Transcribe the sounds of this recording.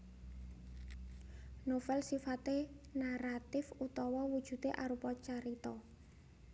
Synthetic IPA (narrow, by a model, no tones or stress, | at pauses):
nofɛlsifat̪enaɾat̪ɪfut̪ɔwɔwud̥ʒ̥ṳt̪eʔaɾupɔt͡ʃaɾit̪ɔ